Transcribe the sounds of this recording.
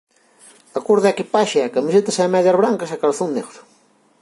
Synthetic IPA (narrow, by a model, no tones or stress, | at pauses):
ɐkuɾðɛkipaʃɪɛkamis̬et̪ɐsɛmɛðjɐzβɾaŋkɐsakaɾθunnḛɣɾ